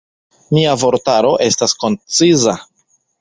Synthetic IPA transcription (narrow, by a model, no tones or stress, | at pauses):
miavo̞ɾtaɾo̞ʔe̞stasko̞nt͡siza